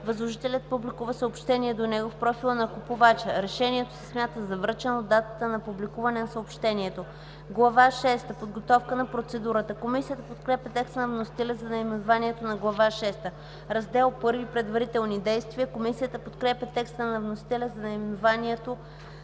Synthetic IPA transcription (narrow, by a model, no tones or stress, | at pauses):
vɐzlˠoʒit̪ɛlʲət̪̚publikuvəsəopʃt̪ɛniɛd̪onɛɡofpɾɔfilˠənɐkupovat͡ʃəɾɛʃɛniɛt̪osɛ̥smʲjat̪əzɐvɾət͡ʃɛnod̪ːat̪ə̥t̪ənɐpublikuvɐnɛnɐsəopʃt̪ɛniɛt̪o | ɡlˠɐvaʃɛst̪əpod̪ɡot̪ɔfkənɐpɾot̪sɛd̪uɾət̪əkomisijət̪əpot̪kɾɛpʲjɐt̪ɛkst̪ənɐvnosi̥t̪ɛlʲəzɐnɐimɛnovaniɛt̪onɐɡlˠɐvaʃɛst̪ə | ɾɐzd̪ɛlˠpɤɾvipɾɛd̪vɐɾit̪ɛlˠnid̪ɛjst̪viəkomisijət̪əpot̪kɾɛpʲjɐt̪ɛkst̪ənɐvnosi̥t̪ɛlʲəzɐnɐimɛnovaniɛt̪o